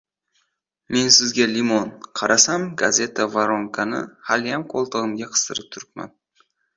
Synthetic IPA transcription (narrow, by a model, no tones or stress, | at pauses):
me̞nsɪzɡʲalɪmonqʰɑɾʔasamɡazʲe̞t̪ʰavaɾoŋkʰanɪ̰haljamkʰolˠt̪ʰɨʁɨmɡʲaqʰɨ̥st̪ɨɾɪp̚t̪ʰʊɾɪpma̰n